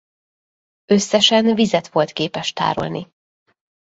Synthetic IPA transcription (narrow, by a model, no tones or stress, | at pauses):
ø̞sːɛʃɛnvizɛt̪ʋo̞lt̪keːpɛʃt̪a̰ːɾo̞̰lni